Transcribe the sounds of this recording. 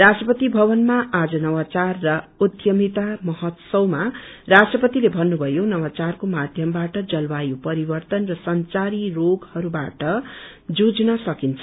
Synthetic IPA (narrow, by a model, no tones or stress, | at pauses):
rasʈrʌpʌt̪ibʱʌβʌnmaʔad͡zʌnʌwat͡sarːʌud̪ʱjʌmit̪amʌɦʌt̪sʌwma | rasʈrʌpʌt̪ilebʱʌnːubʱʌjonʌwat͡sarkomad̪ʱjʌmbaʈʌd͡zʌlbajopʌɾibʌrt̪ʌnrʌsʌnt͡saɾiroɡhʌɾuba̰ʈʌ | d͡zud͡znʌsʌkint͡sʰʌ